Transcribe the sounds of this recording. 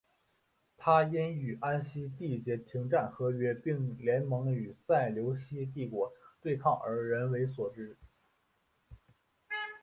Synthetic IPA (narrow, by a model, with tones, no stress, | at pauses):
t̪ʰa˥jɛ˥ny˨˩ʔa˥nɕi˥t̪i˥˩t͡ɕjɛ˧˥t̪ʰi˧˥ŋʈ͡ʂa˥˩nxɤ˧˥ɥɛ˥pi˥˩ŋljɛ˧˥nmɤ˧˥ŋy˨˩t͡sa˥˩ɪljo˧˥ʊɕi˥t̪̬i˥˩kwɔ˧˥t̪we˥˧ɪkʰɑ˥˩ŋə̰˞˧˥ɻə˧˥nwe˧˥ɪswɔ˨˩ʈ͡ʂɻ̩˥˩